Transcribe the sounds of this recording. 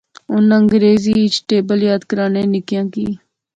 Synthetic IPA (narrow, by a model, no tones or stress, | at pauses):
ʊnəŋɡɾeːziːit͡ʃʈeːbəljaːd̪kəɾaːneːnɪkijãːkiː